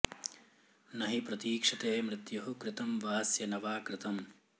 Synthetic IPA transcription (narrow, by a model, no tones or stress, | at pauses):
nɐɦipɾɐt̪iːkʂɐt̪eːmɾɪt̪jɐɦukɾɪt̪ɐmʋaːsjɐnɐʋaːkɾɪt̪ɐm